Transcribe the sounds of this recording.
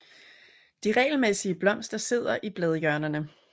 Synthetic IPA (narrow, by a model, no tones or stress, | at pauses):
d̥iʁɛ̰ːɪl̩mesiəb̥lɒ̽m̰sd̥ɐse̝ð̞̰ˠɐʔib̥lɛð̞ˠjɶɐnɐnə